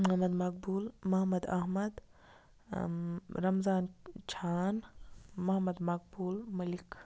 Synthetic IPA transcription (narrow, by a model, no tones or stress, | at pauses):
mɐɦɐmɐd̪mɐk̚buːlmɐɦɐmɐd̪ɐ̰ɦmɐd̪ | ɾɐmzaːnt͡ʃʰaːnmɐɦɐmɐd̪mɐk̚buːlmɐlik